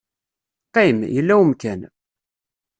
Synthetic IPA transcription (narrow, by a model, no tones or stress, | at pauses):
qːimjəlːæwəmkæn